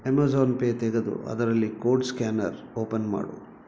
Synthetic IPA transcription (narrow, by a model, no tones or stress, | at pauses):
emazoːnpeːt̪eɡed̪ṵʔɐ̰d̪ɐɾɐlːikoːɖskʲaːnɐ̰ɾoːpɐnma̰ːɽṵ